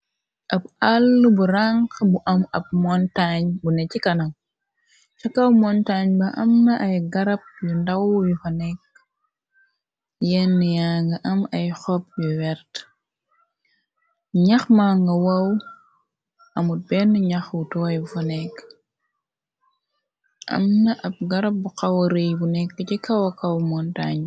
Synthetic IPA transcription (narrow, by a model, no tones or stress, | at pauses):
ʔɐbalːubuɾaŋkbuʔɐmɐb̚mɔntaɲbunɛcikɐnɐŋ | t͡ʃɐkɐwmɔntaɲbɐʔɐ̰mnɐʔɐjɡɐɾɐp̚jundɐwjufɐnɛk̚ | jɛnːijaŋɡɐʔɐmɐjxɔp̚juwɛɾt | ɲɐxmaːŋɡɐwɐw | ɐmut̚bɛnːɲaxwutɔwɐjfonɛk | ʔɐ̰mnɐʔɐp̚ɡɐɾɐp̚buqawɐɾejbunɛkːɐcikɐwɐkawmɔntaɲ